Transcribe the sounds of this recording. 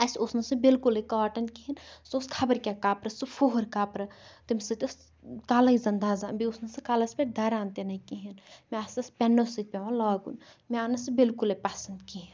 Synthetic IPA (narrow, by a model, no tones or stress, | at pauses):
ɐsosnɐsɨbilkulekaːʈɐnkiɦinsoskʰɐbɐɾkʲakaːpɾɐsufʰoɦɐɾkaːpɾɐt̪imsɨt̪ɐs | kaːlɐizɐnd̪aːzabiosnɐsɨkaːlɐspʲeʈ̚d̪ɐɾaːnt̪enɐikiɦinmeɐsɐspʲɛnːosɨt̪̚pʲeʋãlaːɡṵn | meanɐsɨbilkulepɐsɐnd̪kiɦin